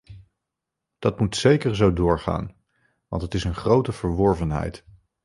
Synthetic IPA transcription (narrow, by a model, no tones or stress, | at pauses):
d̥ɑtmutsejkəɹzowdʊːɹχa̰ːn | ʋɑ̰ntɦətɪsənχrowtəv̥əɹʋɔɹvənɦɛ̰jt